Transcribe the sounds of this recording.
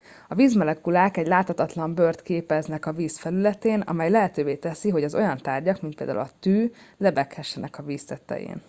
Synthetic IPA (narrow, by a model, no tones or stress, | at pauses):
ɒviːzmɛlɛkulaːkɛɟlaːt̪hɒt̪ɒt̪lɒmbørt̪keːpɛznɛkɒviːsfɛlylɛt̪eːnɒ̰mɛjlɛɦɛt̪øːveːt̪ɛsiɦo̞ɟɒzo̞jɒnt̪aːrɟɒkmint̪pḛːld̪a̰ṵlɒt̪yːlɛbɛkhɛʃːɛnɛkɒviːst̪ɛt̪ːɛ̰jḛːn